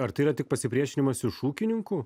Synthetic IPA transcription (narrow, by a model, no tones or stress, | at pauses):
ɐɾt̪ɐɪiɾɐt̪ʲɪk̚pɐsʲɪpʲɾʲiɛʃʲɪnʲɪmɐsɪʃuːkʲɪnʲɪŋkʊ